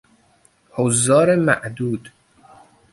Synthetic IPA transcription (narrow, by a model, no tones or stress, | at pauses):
hozːɒːɾemæ̰ʔd̪uːd̪